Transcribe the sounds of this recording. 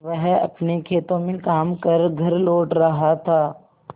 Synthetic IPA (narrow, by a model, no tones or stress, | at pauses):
ʋɛɦɐ̰pnekʰeːt̪õmẽkaːmkɐɾɡʱɐɾloːʈɾɐɦat̪ʰaː